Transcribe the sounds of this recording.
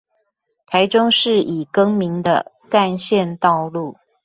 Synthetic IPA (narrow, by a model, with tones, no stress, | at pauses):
t̪ʰa˧˥ɪʈ͡ʂʊ˦ŋʂɻ̩˥˩ʔi˨˩kɤ˥ŋmi˧˥ŋd̪ə̰˨ | ka˥˧nɕjɛ˥˧nt̪ɑ˥˧ʊlu˥˩